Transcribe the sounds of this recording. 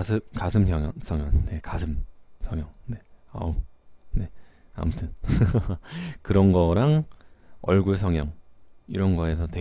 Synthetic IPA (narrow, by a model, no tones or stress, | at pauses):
sʰɯkasʰɯmkjʌŋʌnsʰʌŋjʌnne̞kasʰɯmsʰʌŋjʌŋne̞a̰une̞ | a̰mutʰɯn | kɯɾʌnɡʌɾaŋ | ʌ̰ɭɡuɭs̬ʰʌŋjʌŋiɾʌnɡʌe̞sʰʌtwe